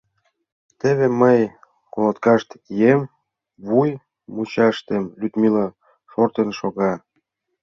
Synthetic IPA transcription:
t̪ĕβeməj | kolŏt̪kɑʃt̪ijem | βuj | mut͡ɕɑʃt̪emlʲyt̪milɑ | ʃort̪enʃoɣɑ

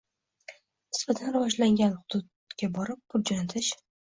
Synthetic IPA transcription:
nɪsbat̪ʰanɾavɒd͡ʒlaŋɡʲanhʊd̪̥ʊd̪̚ | kʲabɒɾɪp̚kʰʊɾ̚d͡ʒant̪ʰɪʃ

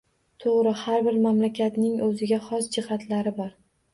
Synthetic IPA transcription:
t̪ʰoʁɾɪhaɾbɪɾmamlakʲat̪nɪŋɵzɪɡʲaχɒsd͡ʒɪhat̪ʰlaɾɪbɒɾ

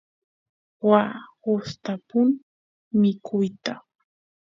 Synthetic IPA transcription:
wahʊst̪apʊn | mɪkʰʊjt̪a

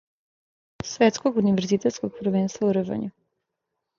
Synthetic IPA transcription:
sʋet̪skoɡuniʋeɾzit̪et̪skoɡ̚pɾ̩ʋeːnst̪vauɾəʒa̰ɲu

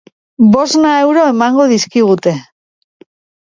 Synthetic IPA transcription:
bo̞znaewɾo̞e̞maŋɡoð̞iskiɣ̞ut̪e̞

